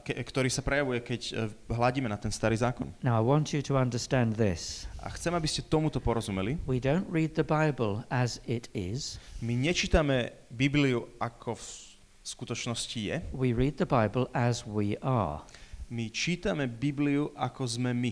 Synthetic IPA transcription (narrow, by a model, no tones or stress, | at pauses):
kɛkt̪ɔɾiːsapɾɛjaʋujɛkɛcɦlaɟiːmɛnat̪ɛnst̪aɾiːzaːkɔ̰nnaʊaɪwɑ̃nt͡ʃɨɾʰəʌ̃ndə˞stæ̃nðɪsʔa̰xt͡sɛmabiscɛt̪ɔmut̪ɔpɔɾɔzumɛliwidõʊ̃nʔɹiːd̪̚ðəbaɪbəlˠəzɪɾɪ̰z̥miɲɛt͡ʃiːt̪amɛ | bibliuakʰɔf | skut̪ɔt͡ʃnɔscijɛwiɹiːd̪̚ðəbaɪbəlˠəzwiʔə̰ | mit͡ʃiːt̪amɛbibliuʔakɔzmɛmi